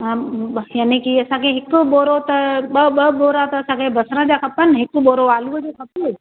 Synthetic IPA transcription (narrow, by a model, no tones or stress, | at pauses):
ãjaːnikiɐsãkʰeɦɪkɓoːɾot̪ɐɓɐɓɐɓoːɾat̪ɐːsãkʰebɐsɾə̃d͡ʑakʰɐpənɦɪkɓoːɾoʋaːluəd͡ʑekʰɐpu